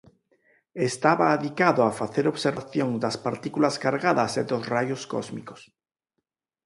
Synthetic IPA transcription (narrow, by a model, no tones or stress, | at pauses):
est̪aβaːðikaðoafaθeɾoβseɾβaθjõŋd̪aspaɾt̪ikulaskaɾɣaðaseðozrajosko̰zmḭko̥s